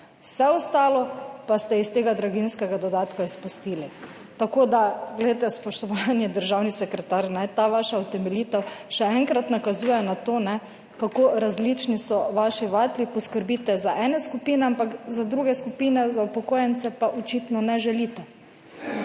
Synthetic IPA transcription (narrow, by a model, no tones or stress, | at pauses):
wsɛɔst̪aːlɔpast̪ɛist̪eːɡad̪ɾaɡinskɛɡad̪ɔd̪aːt̪kaispust̪iːli | t̪akod̪aɡlɛd̪et̪ɛspɔʃt̪ɔʋanjɛd̪əɾʒawnisɛkɾɛt̪aɾnɛt̪aʋaʃaɔt̪ɛmɛliːt̪ɛwʃɛɛŋkɾat̪nakazuːjɛnat̪oːnɛ | kakoɾazlit͡ʃnisɔʋaːʃiʋat̪lipɔskəɾbit̪ɛzaʔɛːnɛskupiːnɛampakzad̪ɾuɡɛskupiːnɛzaupɔkoːjɛnt̪sɛpaʔɔt͡ʃit̪nɔnɛʒɛlit̪ɛ